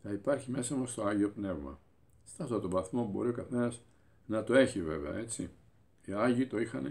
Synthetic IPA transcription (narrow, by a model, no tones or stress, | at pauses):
θɐipɐɾçime̞sɐmɐst̪o̞ɐʝio̞pne̞vmɐ̰ | st̪ɐsot̪o̞vɐθmobo̞̰ɾio̞kɐθe̞nɐz | nɐt̪o̞e̞çive̞̰veɐ̰e̞t͡si | iɐʝit̪o̞ixɐne